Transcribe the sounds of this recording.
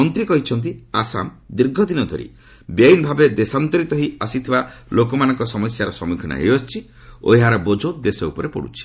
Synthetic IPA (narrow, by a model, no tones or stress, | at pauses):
ɔnt̪ɾikɔɦit͡ʃʰɔnt̪̬iasa̰m | d̪iɾɡʱɔd̪inɔd̪ʱɔ̰ɾḭ | bajnbʱabed̪esant̪ɔɾit̪ɔɦiasit̪ʰibalokɔmanɔŋkɔsɔmɔsjaɾɔsɔmukʰɔna̰ɦḛjɔst͡ʃʰi | o̰ɦeɦaɾɔbod͡ʒod̪esɔupɔɾepɔ̰ɽṵt͡ʃʰi̥